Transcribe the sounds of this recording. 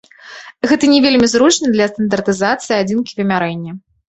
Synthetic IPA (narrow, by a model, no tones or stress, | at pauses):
ɣɛt̪ɐnʲɛvʲelʲmʲizɾut͡ʂnɨd̪lʲɐst̪ɐnd̪ɐrt̪ɨzat̪sɨiad͡zʲinkʲivʲɛmʲaɾɛnʲːɐ